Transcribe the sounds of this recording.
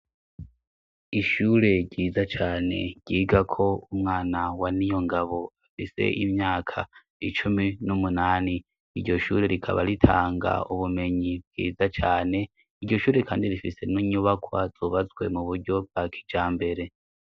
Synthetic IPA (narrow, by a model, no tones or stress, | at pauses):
iʃuːɾe̞ɾɟiːzat͡ʃaːne̞̰ɟɟ̥iːɡakʰo̞umŋaːnawanijo̞ŋɡaβo̞afise̞̰ʔimɲaːkʰa̰ | it͡ʃuminumunaːni | iɾɟo̞ʃṵːɾe̞ɾikʰa̰βa̰ɾitʰa̰ːŋɡa̰uβume̞ɲib̚ɡ̥ḭːzat͡ʃaːne̞ | iɾɟo̞ʃuːɾe̞kʰaːndiɾifise̞nuɲuβakʰwaz̥oːβazwe̞̰muβuɾɟo̞b̚ɡ̥akʰi̥d͡ʒaːmbe̞ɾe̞